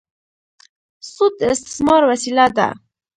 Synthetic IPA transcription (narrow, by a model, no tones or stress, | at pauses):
sud̪ɪst̪ɪ̥smɑɾwasilad̪a̰